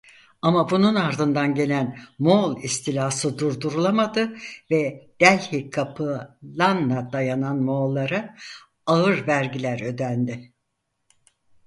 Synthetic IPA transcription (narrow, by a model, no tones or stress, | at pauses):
amabununaɾd̪ɯnd̪anɟe̞lʲænmolˠist̪ʰilʲaːsɯd̪uɾd̪uɾulˠamad̪ɯvɛd̪̥ælʲhikʰapʰɯlˠanlad̪ajananmolˠːaɾa | aɯɾvæɾɟilʲæɾø̞d̪ænd̪ɪ